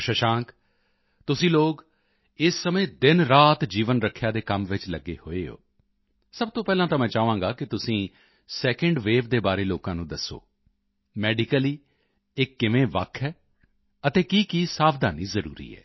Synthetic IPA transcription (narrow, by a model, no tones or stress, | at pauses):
ʃəʃãːŋk | t̪ʊsĩːloːɡ | ɪsːəmẽːd̪ɪnɾaːt̪d͡ʒiːʋənɾəkʰːjaːd̪eːkəmʋɪt͡ʃləɡːḛːho̰ːeːɦo̰ː | səbt̪õːpɛːlãːt̪aːmɛ̃ːt͡ʃaːʋãːɡaːkɪt̪ʊsĩː | sɛːkəɳɖʋeːʋd̪eːbaːɾeːloːkãːnũːd̪əsːo̰ː | mɛːɖɪkəliː | ɪkːɪʋẽːʋə̰kʰːɛː | ət̪eːkiːkiːsaːbd̪aːniːzəɾṵːɾḭːɛ̰ː